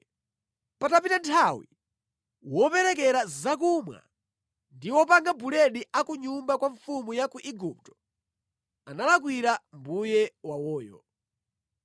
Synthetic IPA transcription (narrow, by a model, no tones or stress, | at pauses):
patapitantʰawḭ | wɔpɛɾɛk̬ɛɾazakumwa̰ | ndiwɔpaŋɡabulɛɗiʔakuɲumbakwaɱfumujakuʔiɡup̚tɔ̥ | analak̬wiɾambujɛwawɔːjɔ̰